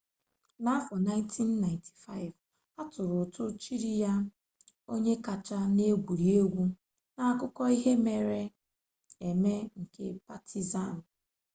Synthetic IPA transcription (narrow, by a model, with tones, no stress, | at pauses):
na˦a˦fɔ˨na˦ɪ˦n˦tʰi˦nːa˨ɪ̃˨ntʰi̥˨fa˦˨ɪ˨v | a˦tʊ˨ɾʊ˨tʊ˦t͡ʃi˦ɾi˦ja˦ | o˦ɲe˦ka˨t͡ʃa˦ne˦ɡʷu˨ɾi˨e˦ɡʷu˦ | na˨kʊ˦kɔ˦i˦ɦe˦me˨ɾe˦ | e˨me˦ŋ̩˨kḛ˦pa˨tʰi˨za˦˨n˨